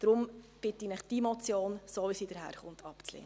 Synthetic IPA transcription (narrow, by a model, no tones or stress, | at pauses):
d̥ɾʊmb̥ɪtinəχd̥iːmɔt͡sjoːnsoːʋisidəɾhæ̰ːɾχʊntʰɑpt͡slḛːŋə